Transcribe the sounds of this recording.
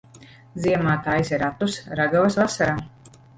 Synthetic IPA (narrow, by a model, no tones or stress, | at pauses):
ziɛmaːt̪ajsiɾat̪usɾaɡavɐsvasaɾaː